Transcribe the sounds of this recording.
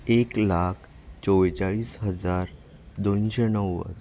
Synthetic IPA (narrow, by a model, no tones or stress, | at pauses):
eklakʰ | t͡sɔʋt͡ɕaɭiːsɦəd͡zaɾ | d̪onɕenəwːə̰t͡s